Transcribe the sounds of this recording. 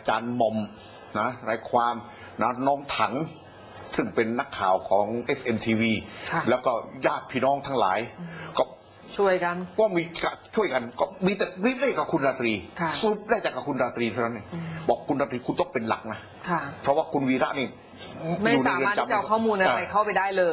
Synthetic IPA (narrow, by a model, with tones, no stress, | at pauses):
ʔa˧t͡ɕaː˧nmɔ˧m | na˦˥ɾaː˧˩jkʰwaː˧m | na˦˥nɔː˦˥˩ŋt̪ʰa˩˦ŋ | sɯ˥˩ŋpe˧nːa˦˥˩kʰːaː˨˩wkʰɔː˩˦ŋʔe˦˥fʔe˧mt̪ʰiː˧wiː˧˩lɛː˦˥wkɔː˥˩jaː˥˩t̪̚pʰiː˧˩nɔː˦˥˩ŋt̪ʰa˦˥ŋla̰ː˩˦jkɔː˥˩ | t͡ɕʰu˥˩əjka˧nkɔː˥˩miː˧ka˧˩t͡ɕʰu˥˩əjka˧nkɔː˥˩miː˧t̪ɛː˨˩ɾiː˦˥p̚la˥˩ka˨˩kʰu˧nɾaː˧t̪ɾiː˧kʰsa˧ɾu˨˩p̚daː˥˩jt͡ɕaː˨˩kːa˨˩kʰu˧nɾaː˧t̪ɾiː˧t̪ʰa˥˧˩na˦˥nːi˥˩bɔː˨˩kʰːu˧nɾaː˧t̪ɾiː˧kʰu˧nt̪ɔ˥˩ŋpe˧nla̰˨˩k̚na˦˥ | kʰa˥˩pʰɾɔ˦˥waː˥˩kʰu˧nwiː˧˥ɾa˦˥ʔniː˥˩ | ma˥˩juː˨˩a˧jɾɯ˧˩a˥˩t͡ɕa˧mt͡ɕa˧˨˩kʰɔː˥˩muː˧nʔa˧ɾa˧˩jkʰa˥˩wpa˧jdaː˥˩jlɤː˧